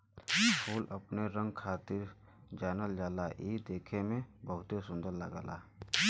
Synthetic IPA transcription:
pʰuːləpneɾə̃ŋɡ̚kʰaːt̪ɪɾ | d͡ʒaːnəld͡ʒaːlaʔiːd̪eːkʰemẽbəɦʊt̪esʊ̃nd̪əɾləɡa̰ːla̰ː

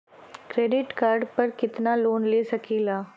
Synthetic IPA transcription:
kɾeːɖɪʈkaːɾɖpɐɾkɪt̪naloːnleːsɐkilaː

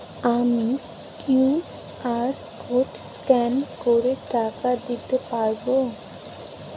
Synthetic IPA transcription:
ami | ku | aɾ | kʰoʈskɛnkoɾeʈakad̪it̪epaɾbo

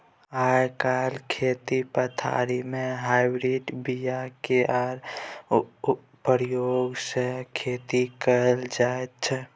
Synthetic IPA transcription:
ajkalkʰet̪ipət̪ʰa̰ɾimeɦaɪbɾiɖbijakeʔaɾ | pəɾjoɡsə̃kʰet̪ikəld͡ʒaet̪̚t͡ʃʰɛ

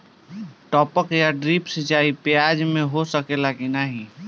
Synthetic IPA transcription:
ʈɔːpəkjaɖɾiːpsed͡ʒaːipjaːd͡ʒmẽɦosəkelakinaɦĩ

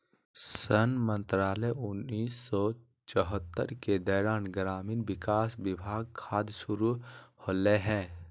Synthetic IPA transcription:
sənmə̃nt̪ɾaːlɛʊnːiːsːɔ | t͡ʃɔɦət̪ːə̰ɾked̪ɔːɾaːnɡɾaːmiːnʋɪkaːsʋɪbʱaːɡkʰaːd̪sʊɾuhoːleɦɛ̃ː

